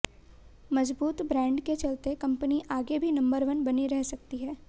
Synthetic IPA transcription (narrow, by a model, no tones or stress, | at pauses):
mɐzbuːt̪bɾɛ̃ːɳɖket͡ʃɐlt̪ekɐ̃mpəniʔaːɡebʱinɐ̃mbəɾʋənbɐniɾɛɦsɐk̚t̪iɦɛː